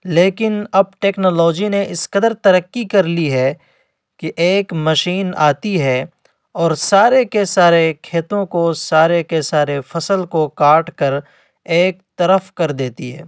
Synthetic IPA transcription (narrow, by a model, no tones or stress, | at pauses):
leːkɪnɐb̚ʈeːknɔːlɔːd͡ʒineʔɪskəd̪əɾt̪ɐɾəkːikɐɾliɦɛ | kiʔeːkmɐʃiːna̰ːt̪iɦɛ | ɔːɾsaːɾekesaːɾekʰeːt̪õkosaːɾekesaːɾefɐsəlkokaːʈkɐɾ | eːk̚t̪ɐɾəfkɐɾd̪eːt̪iɦɛ̰ː